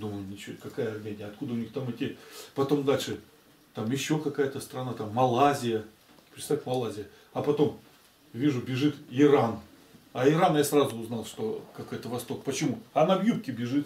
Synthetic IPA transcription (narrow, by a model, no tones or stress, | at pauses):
d̪uməlˠnʲɪt͡ɕokɐkajəɐrmʲenʲɪjəɐt̪kud̪əʊnʲixt̪amɛtʲɪpɐt̪o̞md̪alʲʂɨ | t̪amjɪɕːo̞kɐkajət̪əst̪ɾɐnat̪amːɐlˠazʲɪjə | pɾʲɪt̪savʲmɐlˠazʲɪjə | ɐpɐt̪o̞m | vʲiʐʊbʲɪʐɨt̪ɪɾan | ɐɪɾanjasrazʊːznalˠʂt̪o̞kɐko̞jt̪əvɐst̪o̞k̚pət͡ɕɪmuɐnɐbjup̚kʲɪbʲɪʐɨt̪